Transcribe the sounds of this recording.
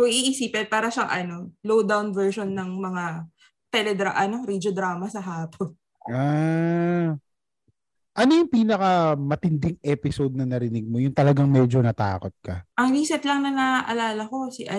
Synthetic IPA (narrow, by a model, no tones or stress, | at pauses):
ʊŋiʔisiːpɛnpaːɾɐʃɐŋʔɐno̞lowd̪awnvɛɹʃonːɐŋmɐŋa | t̪ɛlɛd̪ɾa̰ʔɐno̞ɾid͡ʒod̪ɾaːmɐsɐɦaːpʰon | ʔa | ʔɐnojʊŋpiːnɐkɐmɐt̪ɪnd̪ɪŋʔɛpɪsod̪̚nɐnɐɾɪnɪɡ̚mojʊnt̪ɐlɐɡaŋmɛːd͡ʒonɐt̪a̰ːkot̪̚kɐʔɐŋɾiːsɛt̪lɐŋnɐnaʔɐlaːlɐko̞siʔɐ